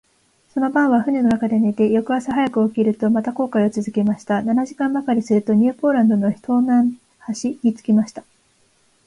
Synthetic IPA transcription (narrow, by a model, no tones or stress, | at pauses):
so̞no̞bãɰ̃βaɸɯ̟ɲʲeno̞nakad̪e̞ne̞t̪e̞jo̞kɯ̟asaɦajakɯ̟okʲiɾɯ̟t̪o̞mat̪ako̞ːkaiot͡sɨzɨke̞maɕi̥t̪ananaʑikãmbakaɾʲisɨɾɯ̟t̪o̞ɲ̟ʲɨːpo̞ːɾãnd̪o̞no̞ç̥t̪ʰo̞ːnãɰ | haɕiɲ̟it͡sɨ̥kʲimaɕi̥t̪ḁ